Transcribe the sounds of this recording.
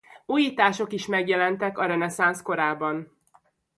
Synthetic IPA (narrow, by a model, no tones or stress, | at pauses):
uːjiːt̪aːʃo̞kiʃmɛɡjɛlɛnt̪ɛkɒɾɛnɛsansko̞ɾaːbɒn